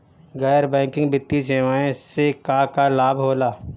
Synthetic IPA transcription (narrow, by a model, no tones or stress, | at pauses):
ɡɛːɾbɛ̃ːkɪ̃ŋɡbɪt̪ːis̬eːʋaːẽsekakalaːbʱɦoːlaː